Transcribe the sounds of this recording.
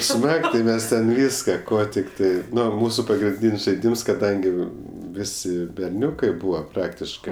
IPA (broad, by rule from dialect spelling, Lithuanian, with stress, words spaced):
ˈsmɐk tʲɪ ˈmʲɛs tʲɛn ˈʋʲiːskɐ ˈkoː tʲɪkˈtɐɪ ˈnʊ ˈmuːsʊ pɐɡrʲɪnʲˈdʲiːnʲsʲ ʒɐɪˈdʲiːms kɐˈdɐŋʲɡʲɪ ˈʋʲɪsʲɪ bʲɛrʲˈnʲʊkɐɪ ˈbuːʋɐ ˈprɑːktʲɪʃkɜ